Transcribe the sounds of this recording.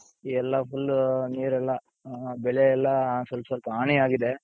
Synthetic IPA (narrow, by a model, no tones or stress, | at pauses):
iːɛlːɐfulːniːɾɛlːɐ | bɛɭeɛlːɐsɐlpɐsɐlpɐaːɳiaːɡid̪e